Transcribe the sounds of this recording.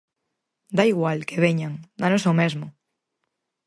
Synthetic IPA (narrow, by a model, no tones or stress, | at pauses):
d̪aiɣwalkeβeɲaŋd̪anosomezmʊ